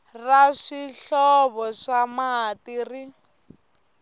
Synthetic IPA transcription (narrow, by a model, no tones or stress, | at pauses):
raʂiɬɔβɔʂamaɦatiːri